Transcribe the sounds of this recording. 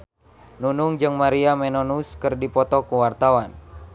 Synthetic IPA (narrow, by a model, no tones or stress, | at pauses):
nunuŋd͡ʒɨŋmaɾiamɛnɔnuskɨrdipɔt̪ɔkuwart̪awan